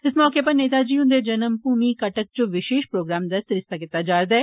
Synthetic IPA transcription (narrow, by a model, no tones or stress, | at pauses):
ɪsmɔːkepɐɾneːt̪ad͡ʒiːʊ̃nd̪ed͡ʒɐnəmpuːmikɐʈək̚t͡ʃõʋɪʃeːʃpɾoːɡɾaːmd̪asɪɾɪst̪akɪt̪ːad͡ʒaːɾd̪aɛː